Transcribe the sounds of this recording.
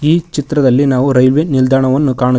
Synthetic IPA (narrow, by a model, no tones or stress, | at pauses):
iːt͡ʃit̪ɾɐd̪ɐlːinaːʋuɾɐjlʋenild̪ʱaːɳɐʋɐnːukaːɳu